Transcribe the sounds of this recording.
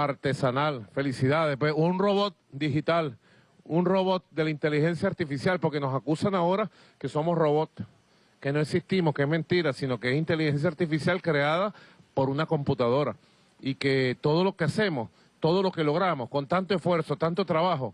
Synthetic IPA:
aɾt̪e̞sanalfe̞lisiðaðepwesunro̞βo̞t̪̚d̪iɦit̪al | unro̞βo̞t̪̚d̪e̞laint̪e̞lihe̞nsjaːɾt̪ifisjalpo̞ɾke̞no̞sakusanaoɾa | ke̞so̞mosro̞βo̞t̪̚ | ke̞no̞eksist̪imohkeesmẽnt̪iɾasino̞keesint̪e̞lihe̞ns̬jaɾt̪ifisjalkɾe̞að̞apo̞ɾunako̞mput̪að̞o̞ɾa | ike̞t̪oð̞o̞lo̞kease̞mo̞s | t̪o̞ð̞o̞lo̞ke̞lo̞ɣ̞ɾamosko̞nt̪ant̪oesfwe̞ɾso̞t̪ant̪o̞t̪ɾaβaɦo̞

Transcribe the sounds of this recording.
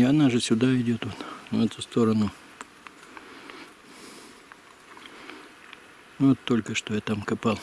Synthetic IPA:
ɐnaʐɨsʲʊd̪aɪdʲo̞t̪ʋot̪ɛt̪st̪o̞ɾənʊ | ʋot̪ːo̞lʲkəʂt̪ojat̪amkɐpɑlˠ

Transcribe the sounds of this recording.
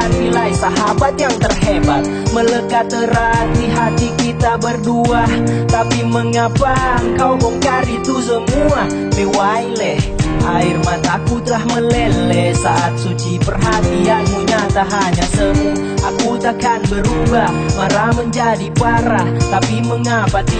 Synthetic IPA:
at̪ilaisaɦabat̪̚jaŋt̪ərhebat̪̚mələkat̪ːəɾat̪iɦat̪ikit̪abərduaht̪apiməŋapaŋkawkɔŋkaɾit̪us̬əmua | pewajlɛhʔairmat̪aːkut̪əlahməlɛlɛsaʔat̪̚sut͡ʃipərɦat̪ianmuɲat̪aɦaɲasəmu | ʔakut̪akanbəɾuba | maɾaməɲd͡ʒadipaɾaht̪apiməŋapat̪i

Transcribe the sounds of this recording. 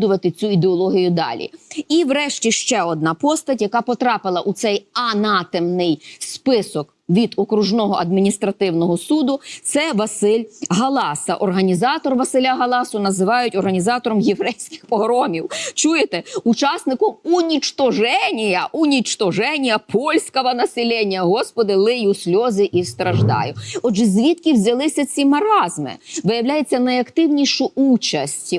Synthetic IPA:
d̪ʊʋɐt̪ɪt͡sʲuid̪eɔlˠɔɦʲijʊd̪ɑ̰lʲḭiwɾɛʃtʲiʃt͡ʃɛɔd̪̚nɑpɔst̪ɐtʲjɐkɑpɔt̪ɾɑpɪlˠɐʔut̪sɛjɐnɑt̪emnɪjspɪsɔk | ʋʲid̪ɔkɾuʒnɔɦɔʔɐd̪̚mʲinʲist̪ɾɐt̪ɪwnɔɦɔsud̪ʊt̪sɛʋɐsɪlʲɦɐlˠɑsɐ̰ʔɔrɦɐnʲizɑt̪ɔrʋɐsɪlʲaɦɐlˠɑsʊnɐzɪʋɑjʊtʲɔrɦɐnʲizɑt̪ɔɾɔmjeʋɾɛjsʲkɪ̥xpɔɦɾɔmʲiwt͡ʃujet̪ɛut͡ʃɑsnɪkɔmunʲit͡ʃt̪ɔʒɛnʲijɐʔʊnʲit͡ʃt̪ɔʒɛnʲijɐpʰɔlʲsʲkɔɦɐnɐsʲɪlʲɛnʲːɐɦɔspɔd̪ɪlˠɪjusʲlʲɔzɪʔist̪ɾɐʒd̪ɑ̰jʊɔd͡ʒʒɛzʲʋʲit̪kʲɪwzʲɐlˠɪsʲɐt͡sʲimɐɾɑzmɪ̰ʋɪjɐwlʲajet͡sʲːɐnɐjɐkt̪ɪwnʲijʃʊut͡ʃɐsʲtʲ

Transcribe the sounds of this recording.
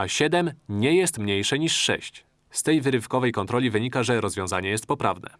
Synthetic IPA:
aɕɛd̪ɛmɲɛjɛst̪mɲejʂɛɲiʂːɛ̰ɕt͡ɕ | st̪ɛjvɘɾɘfkɔvɛjkɔnt̪ɾɔlʲivɘɲikaʐɛɾɔzvʲjɔ̃w̃zaɲɛjɛst̪̚pɔpɾavnɛ̰

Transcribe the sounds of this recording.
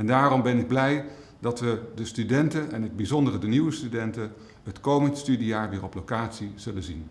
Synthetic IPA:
ɛndaːrɔmbɛnɪɡ̚blɛj | dɑtʋədəstydɛntənɛnɪɡ̚bizɔndərədəniwəstydɛntə | ɦətkowməndəstydijaːɹʋɪːrɔplowkaːtsiz̥ɵlənzin

